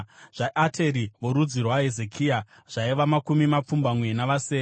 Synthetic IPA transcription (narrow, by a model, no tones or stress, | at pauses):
ʐ̥aʔatʰe̞ɾiʋo̞ɾud͡zirwaɦeze̞kʰia | ʐ̥aiʋamakumimap͡fumbamwe̞naʋaseːe